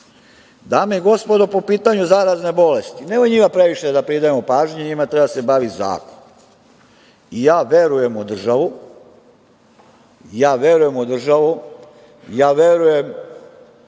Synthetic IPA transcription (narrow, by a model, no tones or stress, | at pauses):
d̪aːmeiɡo̞spo̞d̪opo̞piːt̪aɲuzaɾazne̞bo̞lest̪inemoiɲimapɾe̞ʋiʃed̪apɾid̪ajemopaːʒɲeɲimat̪ɾebad̪ase̞baʋiza̰ːko̥n | ijaːʋe̞ɾuje̞mud̪r̩ʒaʋu | jaːʋje̞ɾuje̞mud̪r̩ʒaʋu | jaːʋeɾujem